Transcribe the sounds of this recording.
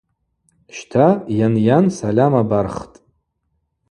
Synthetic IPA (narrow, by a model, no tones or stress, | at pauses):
ʃtʰajanjansalʲamabarχtʼ